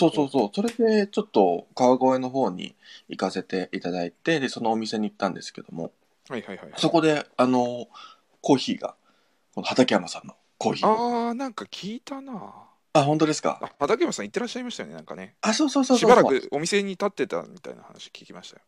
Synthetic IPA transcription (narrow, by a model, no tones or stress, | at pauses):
so̞ːso̞ːso̞ːso̞ɾe̞d̪e̞t͡ɕo̞t̪ːo̞kaβaɡo̞e̞no̞ɦo̞ːɲ̟ḭikase̞t̪e̞ʔit̪ad̪ait̪e̞d̪e̞so̞no̞ːmʲise̞ɲ̟iit̪ːãnd̪e̞sɨ̥ke̞d̪o̞mo̞̰ | hajhaihaiso̞ko̞d̪e̞ano̞ | ko̞ːçiːɡa̰ | kono̞hat̪akʲiamasãnːo̞ | ko̞ːçiːanãŋkakʲʰiːt̪ana | aɦõ̞nt̪o̞d̪e̞sɨ̥ka̰ahat̪akʲiamasãit̪ːe̞ɾaɕːaimaɕit̪ajoneãŋka̰ne̞aso̞ːso̞ːsoːɕibaɾakɯ̟o̞mʲise̞ɲ̟it̪at̪ːe̞t̪a̰mʲit̪a̰ḭna̰ha̰na̰ɕi̥okʲi̥kʲimaɕi̥t̪a̰jo